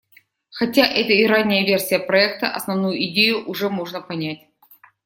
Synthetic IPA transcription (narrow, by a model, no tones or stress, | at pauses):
xɐtʲaʔɛt̪əɪɾanʲːɪjəvʲe̞rsʲɪjəpɾɐɛk̚t̪əʔɐ̰snɐvnujʊɪdʲejʊʔʊʐɛmoʐnəpɐnʲætʲ